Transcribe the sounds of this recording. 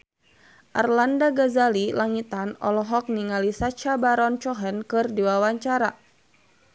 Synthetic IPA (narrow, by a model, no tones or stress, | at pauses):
ʔarlandaɡazalilaŋit̪anɔ̰lɔɦɔk̚niŋalisat͡ʃabaɾɔnt͡ʃɔɦɛnkɨrdiwawaɲt͡ʃaɾa̰